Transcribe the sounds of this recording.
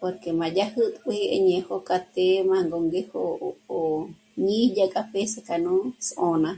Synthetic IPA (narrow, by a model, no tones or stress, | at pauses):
poɾkemãd͡ʒahɨt̪ʼphiʔḛɲẽhokat̪emãŋɡoŋɡehoo | ɲĩd͡ʒakʼapesekanũsʔõnã